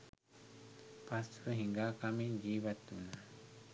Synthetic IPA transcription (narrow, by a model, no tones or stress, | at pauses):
past̪ueɦiŋɡakamĩd͡ʒiβat̪unã